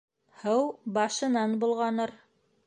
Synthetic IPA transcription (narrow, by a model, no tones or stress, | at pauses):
hɤwbɑʃɤ̆nɑnbulˠʁɑnɤɾ